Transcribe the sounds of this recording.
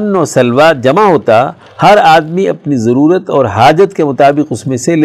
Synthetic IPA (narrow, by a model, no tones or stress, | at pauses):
nːɔːɾsɐlʋaːd͡ʒɐmaɦoːt̪a | hɐɾaːd̪miɐpnizɐɾuːɾət̪ɔːɾɦaːd͡ʒət̪kemʊt̪aːbɪqʊsmẽsel